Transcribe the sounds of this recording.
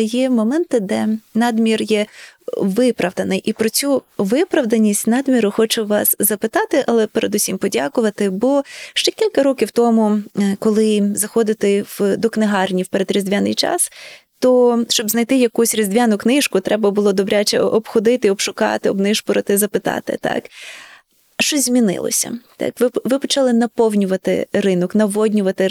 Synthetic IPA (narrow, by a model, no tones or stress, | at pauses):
jɛmɔmɛnt̪ɪd̪ɛnɑd̪mʲirjɛ | ʋɪpɾɐʋd̪ɐnɪjʔipɾɔt͡sʲuʋɪpɾɐwd̪ɐnʲisʲtʲnɑd̪mʲiɾʊxɔt͡ʃʊʋɑszɐpɪt̪ɑt̪ɪʔɐlˠɛpeɾed̪usʲimpɔdʲakʊʋɐt̪ɪbɔʃt͡ʃɛkʲilʲkɐɾɔkʲiwt̪ɔmʊkɔlˠɪzɐxɔd̪ɪt̪ɪwd̪ɔknɪɦɑrnʲiwpeɾed̪ɾʲizd̪ʲʋʲanɪ̰jt͡ʃɑ̰st̪ɔʃt͡ʃɔbznɐjt̪ɪjɐkusʲrʲizd̪ʲʋʲanʊknɪʃkʊt̪ɾɛbɐbʊlˠɔd̪ɔbɾʲat͡ʃɛ̰ʔɔbxɔd̪ɪt̪ɪɔbʃʊkɑ̰t̪ɪɔbnɪʃpʊɾɐt̪ɪzɐpɪt̪ɑ̰t̪ɪ̰t̪ɑ̰k | ʃt͡ʃɔzʲmʲinɪ̰lˠɔ̰sʲɐ̰t̪ɑ̰kʋɪʋɪpɔt͡ʃɑlˠɪnɐpɔwnʲʊʋɐt̪ɪ̰rɪnɔknɐʋɔdʲnʲʊʋɐt̪ɪ